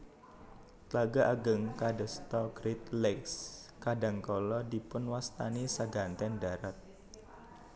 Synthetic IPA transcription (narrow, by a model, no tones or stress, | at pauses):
t̪laɡaʔaɡəŋkadəst̪ɔɡɾit̪̚lɛkskadaŋkɔlɔdipʊnwast̪anisaɡant̪ɛndaɾat̪̚